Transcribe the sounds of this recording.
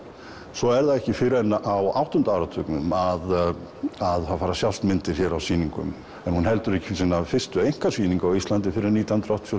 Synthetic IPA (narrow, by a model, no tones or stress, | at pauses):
sɔɛɾðaðɛhcɪfɪɾɪɛnːaʔawa̰wht̪ɔʏnt̪aaːwɾat̪ʰœknʏmað | aðθaðfaːɾasjaw̪st̪mɪnt̪ɪɾ̥çjɛɾawsiːniŋkʏ̰m | ɛnhunɦɛlt̪ʏɾɛhcɪ̥fɪsinːafɪr̥st̪ʏejŋ̥kasviːniŋkawist̪lant̪ɪfɪɾɪɾniːt̪jant̪ɾawt̪jo